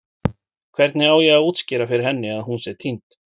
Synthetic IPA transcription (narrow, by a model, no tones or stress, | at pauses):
kʰvɛɾt̪nɪaːwjɛɣaðuːt̪scɪːɾafɪɾɪɾ̥hɛnːɪaðɦunsɛt̪ʰint̪